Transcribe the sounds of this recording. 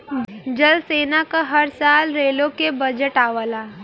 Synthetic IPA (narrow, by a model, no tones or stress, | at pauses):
d͡ʒəlseːnakaɦɐɾsaːlɾeːlõkebɐd͡ʒəʈaːʋəlaː